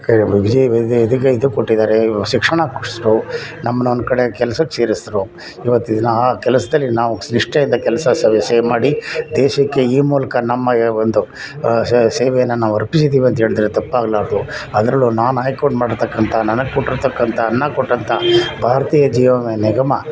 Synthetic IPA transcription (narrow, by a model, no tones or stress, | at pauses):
kɐbiɡd͡ʒiʋ̪d̪ɐk̬ːeid̪ukoʈːid̪aːɾeʃikʂɐɳɐkʂsɾunɐmːɐnond̪kɐɽekɛlɐsɐkːe̥seːɾisɾu | iʋɐt̪ːid̪ɐnːɐaːkɛlɐsɐd̪ɐlːinaːʋusniʂʈɐjind̪ɐkɛlɐsɐseʋɛseːmaːɽid̪ɛːʃɐkːe̞iːmuːlɐkɐnɐmːɐond̪u | seːʋɛjɐnːɐnaːʋɐɾpisid̪ːiːʋiɐnt̪ɦe̞ːɭid̪ɾet̪ɐpːaːɡɐlaːɾd̪uɐd̪ɾɐlunaːnaːjkoɳɖmaːɽɖɾt̪ɐkːɐnt̪ʰɐnɐnɐɡkoʈːiɾt̪ɐkːɐnt̪ʰɐːnːɐkoʈːɐnt̪ʰɐbʱaːɾɐt̪iːjɐd͡ʒiːʋɐmenɛɡɐmɐ